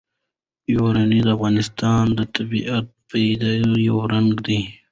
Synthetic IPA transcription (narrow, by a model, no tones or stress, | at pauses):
joɾanid̪əafɣɑnɪst̪ɑːnd̪ət̪abiat̪̚ped̪ajawɾaŋɡd̪i